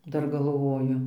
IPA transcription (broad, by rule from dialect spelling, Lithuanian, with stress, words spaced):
ˈdɐr ɡɐlˠˈʋoːjʊ